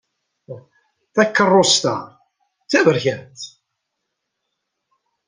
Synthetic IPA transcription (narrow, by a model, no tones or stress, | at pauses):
θækːərˤːost̪æ̰ | t͡sːævəɾçænt̪